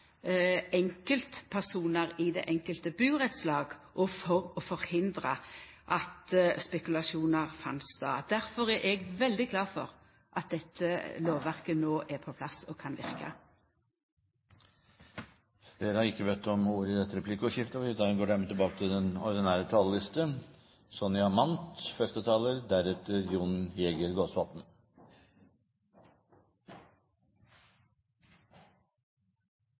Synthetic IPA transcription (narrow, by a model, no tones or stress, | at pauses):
ɛŋkəlt̪pʰæʁsuːnəʁɪd̪ḛːʔɛŋkəlt̪əbʉːʁɛt̪slɑːɡʔɔfɔʁɔfɔʁhɪnd̪ɾəʔɑt̪spɛkʉlɑʂuːnəʁfɑ̰nsd̪ɑ̰ːd̪̥æɾfɔʁæɾʔɛɡʋɛld̪ɪɡlɑːfɔ̰ʁ | ʔɑt̪̚d̪ɛt̪ʰːəloːʋʋæʁkənoːʔæpʰɔpʰlɑsɔkʰɑnʋɪ̰ʁkə̰ | fleːɾəhɑɾɪkːəʋeːt̪ːɔmuɾɪd̪ɛt̪ːəɾɛpʰlɪkːəɔʂɪft̪əfɔɪd̪ɑːɡənɡoːɖɛmət̪ʰɪlbɑːkət̪ʰɪld̪ɛnɔ̰ɾd̪ɪnæːɾət̪ʰɑːləlɪst̪ə | sɔnɪɑmɑnt̪fɛst̪ət̪ʰɑːləɾd̪æɾʉːt̪əɾjʊnjɛɡəɾɡoːsʋɑpn̩